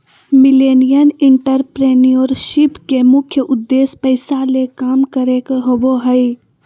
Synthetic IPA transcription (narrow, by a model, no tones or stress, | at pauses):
mɪleːnijənɪ̃ɳʈəɾpɾeːnioɾʃɪpkemʊkʰjəʔʊd̪ːeːspəɪsalekaːmkəɾekeɦoboɦəi